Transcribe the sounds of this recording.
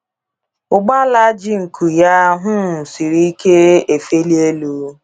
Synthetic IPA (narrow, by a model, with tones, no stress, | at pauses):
ʊ˨ɡ͡ba˦la˦d͡ʒi˦ŋ̩˨kʰu˨ja˦ɦʊ˦˨si˨ɾi˦i˦ke˦e˨fe˦li˦e˦lu˨